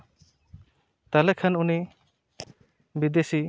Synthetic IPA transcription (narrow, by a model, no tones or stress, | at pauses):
t̪alɛkʰanuni | bid̪esi